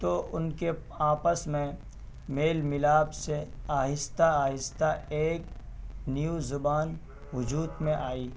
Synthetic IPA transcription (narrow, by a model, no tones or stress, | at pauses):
t̪oʊnke | aːpəsmẽ | meːlmɪlaːbseaːɦɪst̪aaːɦɪst̪aeːk | njuzʊbaːn | ʋʊd͡ʒuːd̪mẽʔaːiː